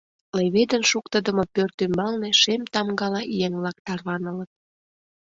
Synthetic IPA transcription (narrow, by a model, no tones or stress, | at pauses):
leβed̪ənʃukt̪əd̪əmopørt̪ymbɑlneʃemt̪ɑmɡɑlɑʔijenβlɑk̚t̪ɑrβɑnələ̆t̪̚